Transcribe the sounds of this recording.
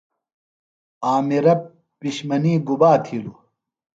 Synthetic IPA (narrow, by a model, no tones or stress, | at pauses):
aːmiɾɐpː | iɕmɐniːɡubaːt̪ʰilu